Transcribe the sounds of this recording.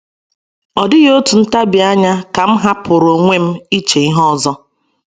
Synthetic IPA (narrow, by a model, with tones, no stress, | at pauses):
ɔ˨dɪ˦ɣo˦tu˨n̩˦ta˦bɪ˨a˦ɲa˦ka˨m̩˦ɦa˦pʊ˨ɾo˨ŋʷe˦m̩˦i˦t͡ʃe˨i˦ɦɔ˦zɔ˦